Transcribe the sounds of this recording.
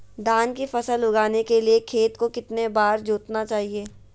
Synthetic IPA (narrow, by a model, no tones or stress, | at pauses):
d̪aːnkifɐsəlʊɡaːnekeliekʰeːt̪kokɪt̪nebaːɾd͡ʒoːt̪nat͡ʃaːɦieː